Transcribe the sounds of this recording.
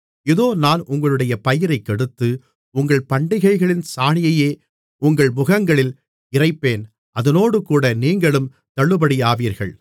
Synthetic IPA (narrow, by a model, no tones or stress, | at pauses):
ɪðoːnaːnʔʊŋɡɐɭɯɽɐjɐpɐjɪɾɐɪkːɛɽɯt̪ːɯ | ʊŋɡɐɭpɐɳɖɪɣɐɪɣɐɭɪnsaːɳɪjɐjeː | ʊŋɡɐɭmʊɣɐŋɡɐɭɪl | ɪrɐɪpːeːn | ɐðɐnoːɽɯkuːɽɐniːŋɡɐɭɯm | t̪ɐɭːɯbɐɽijaːʋiːɾɣɐ̰ɭ